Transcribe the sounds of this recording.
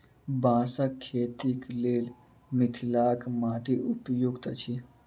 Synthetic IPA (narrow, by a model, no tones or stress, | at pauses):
bãːsəkʰːeːt̪ikleːl | mit̪ʰilaːkmaːʈiʔupjuɡt̪ət͡ʃʰi